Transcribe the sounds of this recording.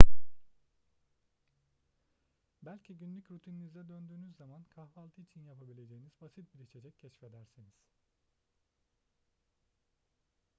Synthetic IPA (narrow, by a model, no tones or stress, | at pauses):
bælʲcʰiɟynlʲycɾut̪ʰininizɛd̪ønd̪yːnyzːamankʰahvalˠt̪ʰɯit͡ʃʰinjapʰabilʲe̞d͡ʒe̞jinizbasit̪̚biɾʲiʃed͡ʒɛcʰːɛʃfe̞d̪æɾsiniz̥